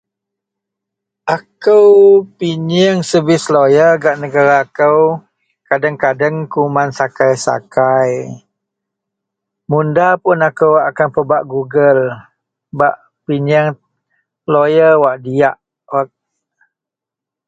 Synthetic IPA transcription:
ʔakəwpiɲəŋsəbɪslojəɡaʔnəɡaɾaːkəw | kadəŋkadəŋkumansakajsa̰kaj | mundapʊnakəwakanpəbaʔɡuɡəl | baʔ | piɲəŋ | lojəwaʔdiaʔ | wa

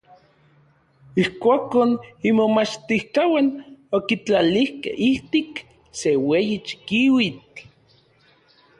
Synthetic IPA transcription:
ihkʷakonimomat͡ʃt̪ihkawanokit͡ɬalihkḛhiht̪ik | sewejit͡ʃi̥kiwit͡ɬ

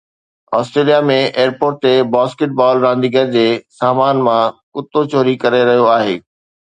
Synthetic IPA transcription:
ɔːsʈɾeːlijamẽʔeːəɾpoːɾʈ̚t̪ebaːskɪʈ̚bɔːlɾãːnd̪iɡəɾd͡ʑeːsaːmaːnmãkʊt̪ːot͡ɕoːɾikɐɾeɾɐɦijoaːɦeː

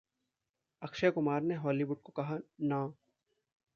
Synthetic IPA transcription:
ɐkʃakʊmaːɾneɦɔːliʋʊɖ̚kokɐɦanãː

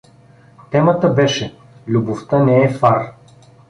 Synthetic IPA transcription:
t̪ɛmət̪əbɛʃɛ | lʲuboft̪ɤnɛɛfaɾ

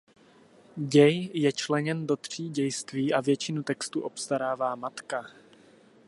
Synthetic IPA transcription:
ɟɛjjɛt͡ʃlɛɲɛndo̞t̪r̝̥iːɟɛjst̪viːʔavjɛt͡ʃɪnut̪ɛkst̪uʔo̞pst̪aɾaːvaːmat̪ka

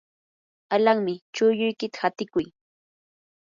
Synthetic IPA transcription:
alaŋmɪt͡ʃʊjʊjkɪt̪ḁhat̪ɪkʊj

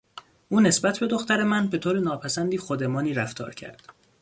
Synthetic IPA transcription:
ʔuːne̞sbæt̪ʰbe̞d̪o̞xt̪æɾe̞mænbe̞t̪ʰoːɾenɒːpʰæsænd̪iːxod̪emɒːniːɾæft̪ʰɒ̰ːɾcʰæ̰ɾd̪̥

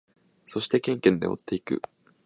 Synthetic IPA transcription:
so̞ɕi̥t̪e̞kẽ̞ŋkẽ̞nd̪eo̰t̪ːe̞ikɯ̟̰

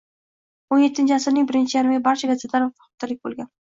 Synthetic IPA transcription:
onje̞t̪ʰːɪnt͡ʃʰɪasɪɾnɪŋʲbɪɾɪnt͡ʃʰɪjaɾmɡʲabaɾt͡ʃʰaɡʲazet̪laɾfɑ̥χt̪ːalɪk̚ʲbo̰lˠɡʲan

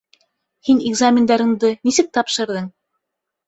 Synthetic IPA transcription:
hinɪɡzamʲɪnd̪ɑɾɤ̆ɴd̪ɤnisɘk̚t̪ɑpʃɤ̆ɾðɤɴ

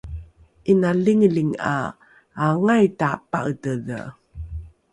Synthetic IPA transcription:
ʔinaliŋliŋa̰ː | ŋajtapa̰ətəðə̰

